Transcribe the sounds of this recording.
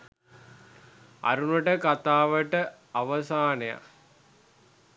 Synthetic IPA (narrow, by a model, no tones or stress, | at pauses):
a̰ɾunəʈəkat̪aːʋəʈə | aʋəsaːneja̰